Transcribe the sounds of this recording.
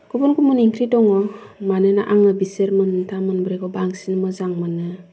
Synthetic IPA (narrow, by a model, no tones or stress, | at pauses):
ɡ̥ubunkumɯniŋkʰɾidɔŋɔmanɯna̰ʔaŋɯbiseɾmɯntʰamɯnbɾekɔbaŋsinmɯzaŋmanɯ